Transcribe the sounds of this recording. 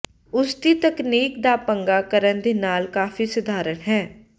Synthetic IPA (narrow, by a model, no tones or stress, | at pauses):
ʊst̪iːt̪əkneːkd̪aːpəŋɡaːkəɾənd̪eːnaːlkaːfʰiːsʊd̪ʱaːɾənɦɛː